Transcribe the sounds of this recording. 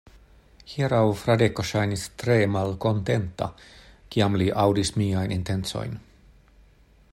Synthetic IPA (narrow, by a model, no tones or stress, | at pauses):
hiɾawfɾad̪ekoʃajnist̪ɾeːmalkont̪ent̪ːa̰kiamliʔawdismiːajnʔint̪e̞nt̪so̰jn